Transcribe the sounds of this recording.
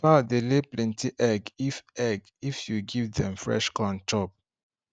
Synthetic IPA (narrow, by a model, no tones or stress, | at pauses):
padeleplɛ̃ntiʔɛɡifɛɡ | ifjuɡivdɛ̃mfɹɛ̰ʃkãnt͡ʃɔp̚